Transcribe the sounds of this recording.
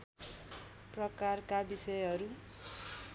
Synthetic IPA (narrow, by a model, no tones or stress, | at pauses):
prʌkarkabisʌjɦʌɾu